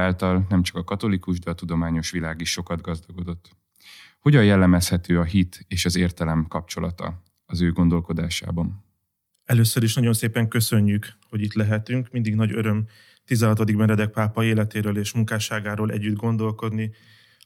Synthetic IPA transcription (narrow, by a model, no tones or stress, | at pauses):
aːlt̪ɒlnɛmt͡ʃɒ̥kɒkɒt̪o̞likuʒd̪ɛɒt̪ud̪o̞maːɲo̞ʃʋilaːɡiʃːo̞kɒd̪ɡɒzd̪ɒɡo̞d̪o̞t̪ː | ho̞ɟɒjjɛlːɛmɛshɛt̪øːɒɦit̪eːʃɒzeːrt̪ɛlɛmkɒpt͡ʃo̞lɒt̪ɒ̰ | ɒzøːɡo̞nd̪o̞lko̞d̪aːʃa̰ːbɒn | ɛløːsːøɾiʃnɒɟo̞nseːpɛŋkø̞sø̞ɲːykho̞ɟit̪lɛɦɛt̪yŋkmind̪iɡnɒɟøɾø̞m | t̪izɛɦɒt̪od̪iɡ̚bɛnrɛd̪ɛk̚paːpɒeːlɛt̪eːɾøːleːʃmuŋkaːʃaːɡaːɾoːlʔɛ̰ɟːyd̪ɡo̞nd̪o̞lko̞d̪ni